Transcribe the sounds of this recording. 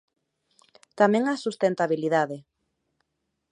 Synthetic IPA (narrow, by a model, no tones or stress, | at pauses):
t̪amẽŋasust̪ent̪aβiliðaðe